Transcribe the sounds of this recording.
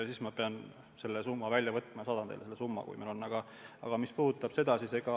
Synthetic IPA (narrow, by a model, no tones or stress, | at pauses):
sismɑpe̞ɑn | se̞lːesumːɑvælʲjɑvɤt̪ːˑmɑsɑːd̪̥ɑnd̪ḛleelːesumːɑ̰kṵjmelo̞nːɑɡ̥ɑ | ɑ̰ɡ̥ɑmispuhd̪ut̪ːˑɑb̥se̞d̪ɑsiseɡ̥ɑ